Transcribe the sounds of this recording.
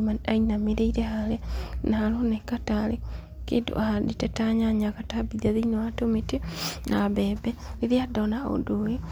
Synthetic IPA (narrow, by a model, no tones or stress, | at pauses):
manainamiɾeiɾehalenahalonekatale | kḛdo̰ahaditɛtaɲaɲakatabiðaðinoatomitinabebɛiðiadonao̰doi